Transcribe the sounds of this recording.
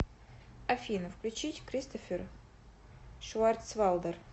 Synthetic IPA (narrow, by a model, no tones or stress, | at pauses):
ɐfʲinəfklʲʉt͡ɕitʲkɾʲist̪ofʲɪr | ʂʊart̪svalˠd̪ər